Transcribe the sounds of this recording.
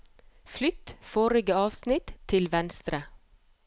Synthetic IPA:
flʏt̪foːɾɪɡəɑːʋsnɪt̪ʰɪlʋɛnst̪ɾə

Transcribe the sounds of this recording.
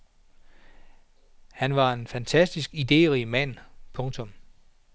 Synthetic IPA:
hænʋɑ̈e̝nfænt͡sʰæsd̥isɡ̥id̥e̝̰ːʁimæn̰pʰɔ̽ŋt͡sʰɔ̽m

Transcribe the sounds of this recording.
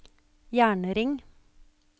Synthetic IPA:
jæːɳəɾɪŋ

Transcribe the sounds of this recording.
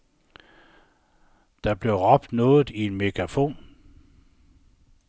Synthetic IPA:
d̥ɑ̈b̥le̝ʁɒ̽b̥̚d̥nɔ̽ːð̩ˠie̝nmiɡ̥ʰʁɑfo̝̰ːn

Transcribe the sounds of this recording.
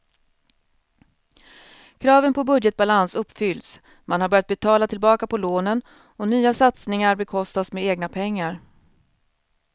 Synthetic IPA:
kʰɾɑːvənpʰɔbɵd̪jɛt̪̚balansɵpːfʏld̪s | manhaɾbœɾjat̪bɛt̪ʰɑːlat̪ʰɪlbɑːkapʰɔloːnən | ɔnyːasat̪snɪŋaɾbɛkʰɔst̪asmeːeːɡnapʰɛŋːaɾ

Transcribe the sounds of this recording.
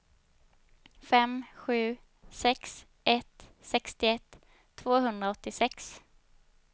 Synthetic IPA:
fɛmɧʉ̟ː | sɛks | ʔɛt̪sɛkst̪ɪɛt̪ʰː | voːɦɵnd̪ɾaɔt̪ːɪsɛks

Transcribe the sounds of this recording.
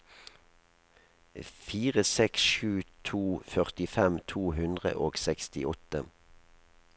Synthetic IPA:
fiːʁəsɛksʃʉːt̪ʰuːfœʁt̪ɪfɛmt̪ʰuːhʉnd̪ʁə̰ʔoːɡsɛkst̪ɪʔɔt̪ə

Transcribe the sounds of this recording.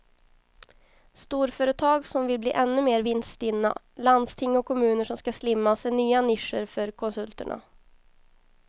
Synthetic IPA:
st̪uːɾfœːɾət̪ʰɑːɡsɔmvɪlblḭːʔɛnːɵmeːɾvɪnst̪ɪnːa̰ | land̪st̪ʰɪŋːɔkʰːɔmʉ̟ːnəʂɔmskaslɪmːasɛnyːanɪʂəɾfœɾkʰɔnsɵlt̪əɳa̰

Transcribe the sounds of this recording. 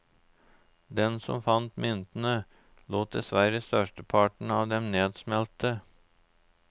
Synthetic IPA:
d̪ɛnsɔ̰mfɑnt̪mʏnt̪n̩ə | loːt̪̚d̪ɛsʋæɾəst̪œʂʈəpʰɑːʈɳ̩ɑːʋd̪ɛmneːd̪smɛlt̪ə

